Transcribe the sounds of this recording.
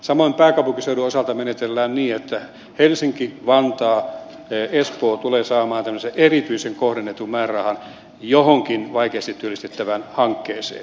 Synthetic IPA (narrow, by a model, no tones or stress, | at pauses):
sɑmoimpæːkɑupukiseyɾyosɑlt̪ɑmenet̪elːæːnniːet̪ːæ | helsiŋkiʋɑnt̪ɑː | espoːt̪uleːsɑːmɑːnt̪æmːseʔerit̪yiseŋkohdenːet̪ummæːrɑhɑn | johoŋkinʋɑikeːst̪it̪t̪ːyølist̪et̪ːæʋænhɑŋkːeːsḛːn